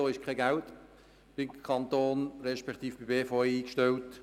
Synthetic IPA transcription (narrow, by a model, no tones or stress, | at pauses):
oːɪʃkʰɛɡælt | b̥ɪmkʰɑnt̪oːnɾɛʃpɛkt̪iːfb̥ibeːfoːeiːkʃtɛlt